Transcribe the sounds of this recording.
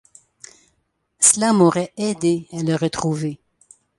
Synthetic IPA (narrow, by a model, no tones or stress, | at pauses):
səlamoʁɛɛd̪ealəʁət̪χuve